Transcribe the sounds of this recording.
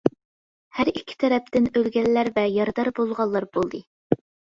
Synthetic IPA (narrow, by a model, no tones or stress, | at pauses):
hæɾikʲʰːi̥t̪ʰɛɾɛp̚t̪ɪnølɡʲɛlːæɾvɛjɑɾd̪ɑɾbolˠʁɑlˠːɑɾbolˠd̪ɨ